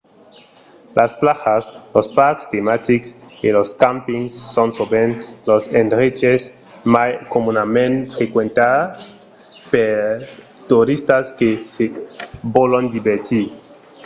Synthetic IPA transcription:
lʔasplaxaslospaɾkst̪emat̪iksiloskampiŋsːonsobenlosend̪ɾet͡ʃes | makomunamẽnfɾekwent̪aðas | peɾ | t̪uɾist̪askesebolond̪iβeɾt̪i

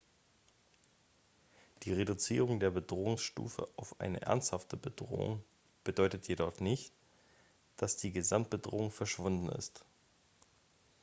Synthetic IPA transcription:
d̥iːʁedʊt͡siːʁ̞ʊŋdeːɐbədʁoːʊŋsʃtṵːfə̰ʔaʊfʔa̰ɪnə̰ʔɛ̰ɐnsthaftʰəbədʁo̰ːʊ̰ŋ | b̥ədɔʏtətjedɔχnɪçt | d̥asd̥iːɡəzamt̚b̥ədʁoːʊŋfɛɐʃv̥ʊndn̩ɪ̰st

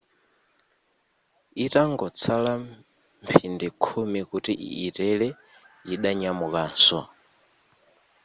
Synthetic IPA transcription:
itaŋɡɔt͡sʰala | mpʰindikʰumikutiʔːtɛɺɛ | iɗaɲamukaːnsɔ̰

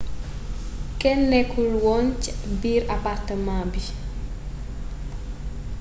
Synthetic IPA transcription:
kɛnːɛkʰulwɔnt͡ʃbiɾapartəmabi

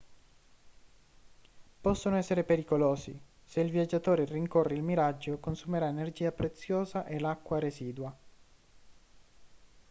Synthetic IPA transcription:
pɔsːonoɛsːeɾepeɾikoloːzḭ | seilvjad͡ʒːat̪oːɾeriŋkorːeilmiɾad͡ʒːokonsumeɾaenerd͡ʒiːapɾet̪sːjoːzaʔelakːwaɾeziːd̪wa

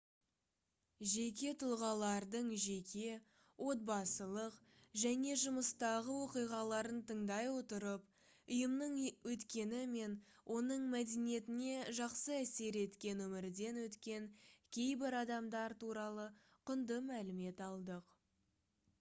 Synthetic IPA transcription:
ʒe̞k̬ʲe̞t̪ʰʊlˠʁɑlˠɑɾd̪əɴʒe̞kʲʰe̞ | wʔo̞t̪̚bɑsəlˠəq | ʒæne̞ʒʊməst̪ɑʁəwo̞qijʁɑlˠɑɾənt̪ʰəɴd̪ɑjwo̞t̪əɾəp | ʊjəmnəɴwɵt̪kʲe̞nɪme̞nwʔo̞nəɴmæd̪enije̞t̪ɪne̞ʒɑqsəæse̞ɾe̞t̪kʲe̞nwɵmɪɾd̪e̞nwɵt̪kʲe̞ŋkʲʰe̞jbɪɾɑd̪ɑmd̪ɑɾt̪uɾɑlˠə | qʰʊnd̪əmælɪme̞t̪ɑlˠd̪əq

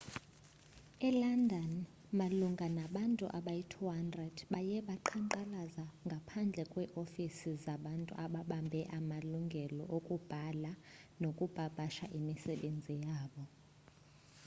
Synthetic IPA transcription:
ɛlandʱɔn | maluŋɡʱanaɓantʼṵʔaɓajitʰuɦandrɛdɓajɛɓaǃʰaǃalazaŋɡʱapʰand͡ɮʱɛkʼwɛʔofisizaɓantʼṵʔaɓaɓambʱɛʔamaluŋɡʱɛlɔ̰ʔokʼub̥ʱalanokʼub̥ʱab̥ʱaʃaʔimisɛɓend͡zʱijaːɓɔ

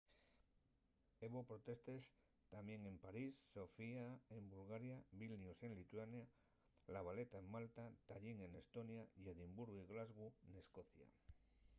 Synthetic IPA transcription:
eβopɾot̪e̞st̪e̞s | t̪amje̞ŋe̞mpaɾisːo̞fiae̞mbulɣaɾjaβilnjuse̞nlit̪uanja | laβale̞t̪aemmalt̪at̪aʎiŋe̞ne̞st̪o̞njaʝeðimbuɾɣiɣlazɣuene̞sko̞θja̰

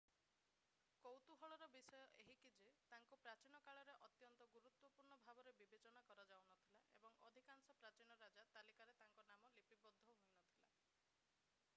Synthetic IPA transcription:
kowt̪uɦɔɭɔɾɔbisɔjɔʔeɦikid͡ʒet̪aŋkupɾat͡ʃinɔkaɭɔɾeʔɔt̪jɔnt̪ɔɡuɾut̪wɔpuɾɳɔbʱabɔɾebibet͡ʃɔnakɔɾɔd͡ʒawnɔt̪ʰilaʔḛbɔŋɔd̪ʱikansɔpɾat͡ʃinɔɾad͡ʒat̪alikaɾet̪aŋkɔnamɔlipibɔd̪ʱːɔɦojnɔt̪ʰila

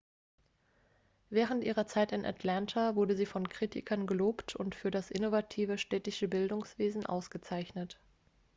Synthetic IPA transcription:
vɛːʁ̞əntʔiːʁɐt͡saɪtɪnʔa̰tʰlantʰavʊɐdəziːfɔnkʁ̥iːtʰɪ̰kʰɐnɡəloːptʰʊntfyːɐdasʔɪnovatʰiːvəʃtɛːtɪʃəbɪldʊŋsv̥eːzn̩ʔa̰ʊsɡ̥ət͡saɪçnət

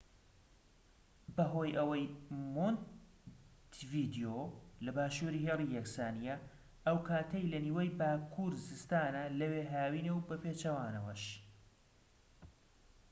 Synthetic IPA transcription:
bɐɦoːjʔɐwɐjmon | t̪viːd̪ijolɐbaːʃuːɾiːɦeːlˠijɐksaːnijɐ | ʔɐwkʰaːt̪ʰɐjlɐniːwɐjbaːkʰuɾzɨst̪aːnɐlɐweːɦaːwiːnewbɐpeːt͡ʃɐwaːnɐwɐʃ

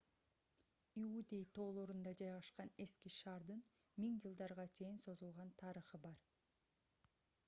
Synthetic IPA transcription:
iud̪ʲe̞jt̪ʰo̞ːlˠoɾund̪ɑd͡ʒɑjʁɑʃqɑne̞skiʃɑːɾd̪ɯn | miŋd͡ʒɯlˠd̪ɑɾʁɑt͡ʃʰe̞jinso̞zulˠʁɑnt̪ʰɑɾɯχɯbɑɾ

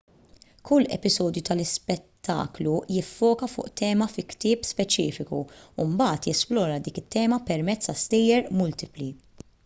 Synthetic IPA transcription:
kʰʊlːɛ̰pɪzɔːd̪jut̪ɐlɪspɛt̪ʰːɐ̰ːklujɪfːɔːkɐfʊ̰ːʔt̪ɛːmɐfɪkt̪ɪːpspɛt͡ʃiːfɪkuumbɐːt̪jɛsplɔːɾɐd̪iːkɪt̪ʰːɛːmɐpɛɾmɛt͡sːt̪ɐst̪ɛjɛɾmʊlt̪ɪpli

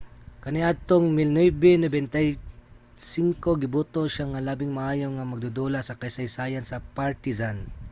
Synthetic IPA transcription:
kɐnɪʔad̪̚t̪oŋmɪlnwɛbɛnobɛnt̪ɐj | siŋkoɡɪbut̪oʃaŋɐlaːbɪŋmɐʔaːjoŋɐmɐɡ̚d̪ud̪olasɐkɐjsɐjsaːjɐnsɐpaɹt̪ɪzan

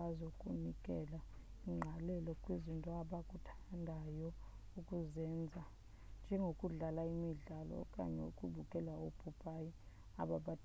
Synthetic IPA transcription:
aziukʼunikʼɛlaiŋ͡ǃʱalɛlɔkʼwizintʼɔaɓakʼutʰandʱajɔ | ukʼuzɛnd͡zʱa | nd͡ʒʱɛŋɡʱokʼuɮalaimiɮalɔ̰kʼa̰ɲɛṵkʼuɓukʼɛlaopʰʼupʰʼaji | a̰ɓaɓat

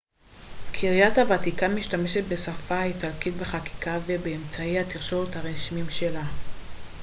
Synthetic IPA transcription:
kʰiʁjathavat̪ikamiʃtame̞ʃet̪̚besafaitalkitbeχaki̥kavebeːmt͡saihatiʁʃovthaʁeʃimimʃe̞la

